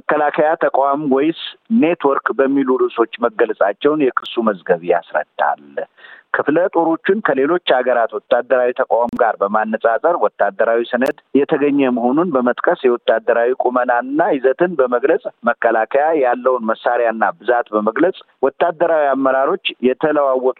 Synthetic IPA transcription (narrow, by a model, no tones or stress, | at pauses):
məkːəlakʰəjat̪ʰəkʼamwɔjsne̞t̪wɔɾkbəmːilulɨso̞t͡ʃːməɡəlsʼat͡ʃːɛwnjɛkʰɨsːuməzɡəβija̰sɾə̰d̪̥ːa̰lkʰɨflət̪ʼo̞ɾo̞t͡ʃːɪnkʰəle̞lo̞t͡ʃːaɡəɾat̪wɔt̪ʼːad̪ːəɾawit̪ʰəkʼamɡaɾbəmanːəsʼasʼəɾwɔt̪ːad̪ːəɾawisɨnəd̪jɛt̪ʰəɡəɲːɛməɦo̞nunbəmət̪ʼkʼəsjɛwɔt̪ːad̪ːəɾawikʼumənaɨnːajɪzət̪ʰɨnbəməɡlət͡sʼməkːəlakʰəjajalːəwnməsːaɾjanːabɨzat̪bəməɡləsʼ | wɔt̪ːad̪ːəɾawiamːəɾaɾo̞t͡ʃːjɛt̪ʰələwawːɔt̪ʼ